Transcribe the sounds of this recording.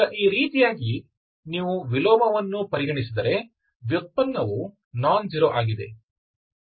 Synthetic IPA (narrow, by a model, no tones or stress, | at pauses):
ɐʔiːɾiːt̪ijaːɡi | niːʋuʋilɔːmɐʋɐnːupɐɾiɡɐɳisid̪ɐɾe̞ | ʋjut̪̚pɐnːɐʋu | naːnd͡ʒiɾoʔaːɡid̪e̞̰